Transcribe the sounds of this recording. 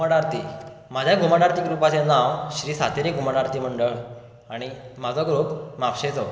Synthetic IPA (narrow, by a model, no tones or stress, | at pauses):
aɽaɾt̪i | mad͡ʑʱjaɡʱumaɽaɾt̪iːɡɾupat͡senawɕɾiːsat̪ʰeɾiɡʱumaɽaɾt̪iːməɳɖəɭ | aɽ̃imad͡zʱɔɡɾuːpmapɕet͡sɔ